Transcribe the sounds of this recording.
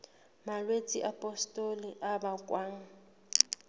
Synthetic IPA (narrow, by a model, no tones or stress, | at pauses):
malwet͡sʼiʔapʼɔstʼɔliʔabakʼwaːŋ̩